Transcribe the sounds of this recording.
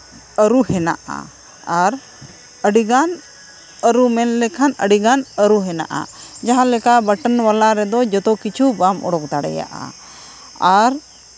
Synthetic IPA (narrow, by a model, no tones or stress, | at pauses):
əɾuhɛna̰ʔa̰ | aɾ | əɖiɡan | əɾumɛnlɛkʰanə̰ɖiɡanəɾuɦɛna̰ʔa̰d͡ʒaɦãlɛkabəʈənwalaɾɛd̪ɔd͡ʒɔt̪ɔkit͡ʃʰubamɔ̰ɽɔk̚d̪aɽɛ̰ja̰ʔa̰ | aɾ